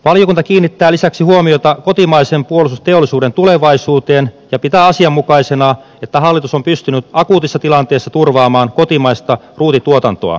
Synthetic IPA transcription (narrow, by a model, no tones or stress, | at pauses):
ʋɑljokunt̪ɑkiːnːit̪ːæːlisæksihuomiot̪ɑko̞t̪imɑisempuolisust̪eolːˑisuːdent̪uleʋɑisuːt̪eːnjɑpit̪æːɑsiɑmːukɑisenɑ | et̪ːæɦɑlːit̪usompyst̪ynyt̪ɑkuːt̪isːɑt̪ilɑnt̪e̞ːsːɑt̪urʋɑːmɑːnko̞t̪imɑijst̪ɑ | ruːt̪it̪uot̪ɑnt̪o̰ɑ̰